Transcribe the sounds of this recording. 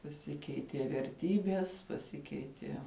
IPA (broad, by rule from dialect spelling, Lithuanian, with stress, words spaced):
pɐˈsʲɪkʲɛɪtʲiɛ ʋʲɛrʲˈtʲiːbʲiɛs pɐˈsʲɪkʲɛɪtʲiɛ